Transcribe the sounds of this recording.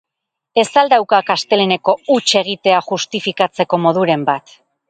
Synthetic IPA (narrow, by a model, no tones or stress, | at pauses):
e̞sald̪awkakast̪e̞lene̞ko̞ut͡ʃe̞ɣ̞it̪e̞aχust̪ifikat͡se̞ko̞mo̞ðuɾe̞mbat̪